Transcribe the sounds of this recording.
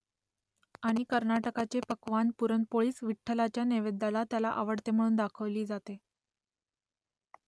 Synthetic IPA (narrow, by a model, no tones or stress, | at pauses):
aɽ̃ikəɾnaʈəkat͡ɕepəkʋanpuɾənpoɭiːsʋiʈʰːəlat͡ɕjaneʋed̪ːalat̪jalaʔa̰ʋəɽt̪em̤əɽ̃uːnd̪akʰəʋliːd͡zat̪e